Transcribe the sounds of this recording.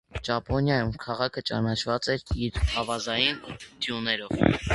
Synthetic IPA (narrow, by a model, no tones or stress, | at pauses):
ʒɑpɔnjɑjumkʰɑʁɑkʰət͡ʃɑ̰nɑt͡ʃʰvɑt͡sɛɾiɾhɑvɑzɑjind̪̥junɛɾɔv